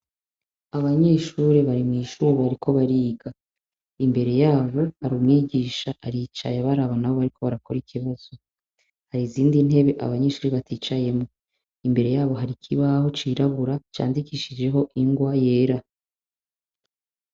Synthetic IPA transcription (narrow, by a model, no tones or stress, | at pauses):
aβaɲe̞ːʃuːɾeβaɾimŋiːʃuːɾiaɾikʰo̞βaɾiːɡa | imbe̞ɾe̞jaːβo̞haɾumŋiːɡiːʃaʔaɾit͡ʃa̰jaβaɾaβanaβo̞βaɾikʰo̞βaɾakoɾikʰiβaz̥o̞ | haɾiziːndin̥he̞βe̞ʔa̰βaɲe̞ːʃuːɾiβatʰiːt͡ʃaje̞mo | imbe̞ɾe̞jaːβo̞ɦaɾikʰiβaho̞t͡ʃiɾaβuɾat͡ʃa̰ːndikiːʃid͡ʒe̞ɦo̞ʔiŋɡwaje̞ːɾa